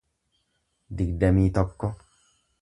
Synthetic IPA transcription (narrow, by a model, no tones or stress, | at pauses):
d̪ikdɐmiːt̪ɔbkːɔ